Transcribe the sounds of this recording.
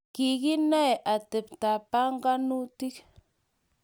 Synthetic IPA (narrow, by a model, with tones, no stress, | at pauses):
ki˨ɣi˦na˦e˨ʔa˨t̪e˨pt̪a˨pa˦ŋɡa˦nu˦t̪i˦k